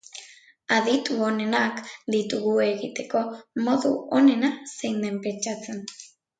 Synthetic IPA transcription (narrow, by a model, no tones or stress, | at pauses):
aðit̪uo̞ne̞nakd̪it̪uɣue̞ɣit̪e̞ko̞mo̞ðuone̞nasejnd̪empe̞nt͡ʃat͡se̞n